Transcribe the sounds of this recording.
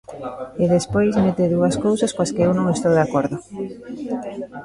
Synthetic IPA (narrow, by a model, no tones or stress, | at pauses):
eðespojzmet̪eðuɐskowsaskwaskeewnõŋest̪owðakoɾðo